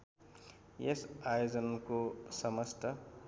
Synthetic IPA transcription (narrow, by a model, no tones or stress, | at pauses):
jesajod͡zʌnkosʌmʌst̪ʌ